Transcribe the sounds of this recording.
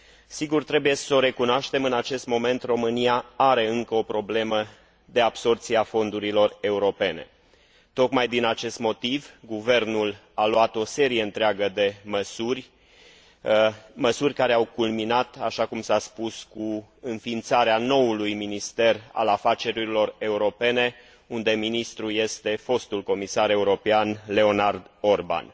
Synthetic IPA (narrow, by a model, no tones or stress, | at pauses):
siɡurt̪ɾe̞buje̞so̞ɾe̞kunowaʃt̪e̞mɨnat͡ʃe̞st̪mo̞me̞nt̪ro̞mɨnijaaɾe̞ɨŋkəo̞pɾo̞ble̞mə | d̪e̞abso̞rt̪siafo̞nd̪uɾilo̞re̞uɾo̞pe̞ne̞̰ | t̪o̞kmajd̪inat͡ʃe̞st̪mo̞t̪ivɡuve̞rnul | aloat̪o̞se̞ɾije̞ɨnt̪ɾeaɡəd̪e̞məsurʲ | məsurʲkaɾe̞awkulminat̪aʃakumsaspuskuɨnfint̪saɾeano̞ulujminist̪e̞ra̰lafat͡ʃe̞ɾilo̞re̞uɾo̞pe̞ne̞ | und̪e̞minist̪ɾuje̞st̪e̞fo̞st̪ulko̞misaɾe̞uɾo̞peanle̞o̞nard̪o̞rba̰n